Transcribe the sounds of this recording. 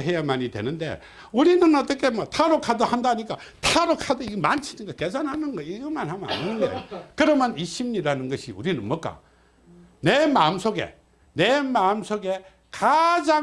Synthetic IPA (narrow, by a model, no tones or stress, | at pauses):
ɦe̞jamaɲidwe̞̰nɯnde̞̰ | uɾinɯnʌt͈ʌkʰe̞mʌtʰaɾokʰadohandaɲik͈a | tʰaɾokʰadoiɡmant͡ɕʰinɯnɡʌke̞sʰanhanɯnɡʌiɡɯmanhamʌna̰ninɯnɡḛjkɯɾʌmjʌniɕʰimɲiɾanɯnɡʌɕʰiṵɾinɯnmʌk͈a̰ | ne̞maɯmsʰoɡe̞̰ | ne̞maɯmsʰoɡe̞ | kad͡ʑa